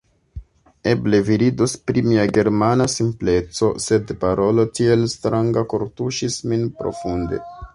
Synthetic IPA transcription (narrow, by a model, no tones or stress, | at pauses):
e̞ble̞viɾidospɾimiaɡe̞ɾmanasimple̞t͡so̞se̞dpaɾʔo̞lo̞tie̞lstɾaŋɡako̞ɾtuʃisminpɾo̞̰funde̞̰